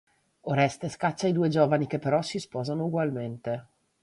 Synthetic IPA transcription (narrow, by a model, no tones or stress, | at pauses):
oɾɛst̪eskat͡ʃːaid̪uːed͡ʒoːvanik̟epːeɾɔsispɔːzanouɡwalment̪e